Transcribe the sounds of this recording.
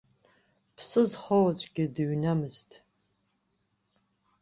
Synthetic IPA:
pʰsɨzχɐwat͡ɕʷʼɡʲɪdɨɥnamɨstʰʼ

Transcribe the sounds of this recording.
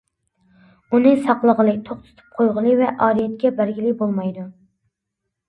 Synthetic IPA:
unɨsɑqlˠəʁəlˠɨt̪ʰoχt̪ʰʊ̥t̪ʰɨ̥p̚qʰojʁəlˠɨvɛʔɑːɾijɛt̪̚kʲɛbæɾɡʲilɪbolˠmɑjd̪u

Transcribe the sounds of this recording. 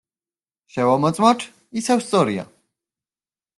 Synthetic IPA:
ʃɛvamɔt̪sʼmat̪ʰ | isɛvst̪sʼɔɾia̰

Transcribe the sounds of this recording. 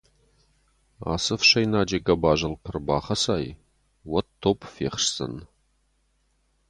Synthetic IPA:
a̰ːsɨfʃɐjnaːd͡ʒɐɡɐbaːʒɐlpʰɨrbaːχɐsaːj | wɐtʰːopʰfeːχʂsɐ̰n

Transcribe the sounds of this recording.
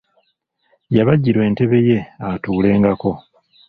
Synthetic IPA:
jaβaɟiɾwe̞ːnte̞βe̞je̞atuːle̞ːŋɡako̞

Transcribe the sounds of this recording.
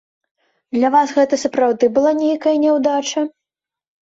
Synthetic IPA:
d̪lʲɐvasɣɛt̪ɐsɐpɾawd̪ɨbɨlˠanʲejkɐjɐnʲɛwd̪at͡ʂɐ

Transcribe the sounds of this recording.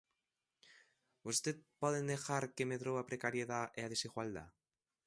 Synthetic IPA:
ust̪et̪̚poð̞end̪exaɾkemeðɾoβapɾekaɾieðaʔeað̞esiɣwald̪a̰

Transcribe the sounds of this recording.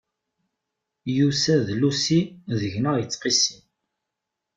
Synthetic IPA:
jusæðlusiðəʝnəʁjət͡sːqisi

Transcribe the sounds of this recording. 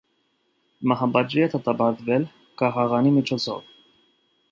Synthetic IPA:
mɑɦɑbɑd͡ʒiɛt̪ʰɑt̪ɑpɑɾd̪vɛl | kɑʁɑʁɑnimit͡ʃʰɔt͡sʰɔ̰v

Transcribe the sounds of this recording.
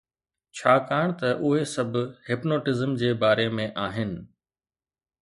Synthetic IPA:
t͡ɕʰaːkaːɽ̃t̪ɐʔʊɦesɐbʱʊɦɪpnoːʈɪzəmd͡ʑeːbaːɾemẽʔaːɦɪnɪ̆

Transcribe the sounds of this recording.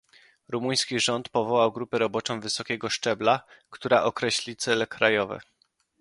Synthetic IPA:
ɾumuj̃skʲiʐɔnt̪pɔvɔwawɡɾupɛɾɔbɔt͡ʂɔ̃w̃vɘsɔkʲɛɡɔʂt͡ʂɛblakt̪uɾaʔɔkɾɛɕlʲit̪sɛlɛkɾajɔvɛ̰

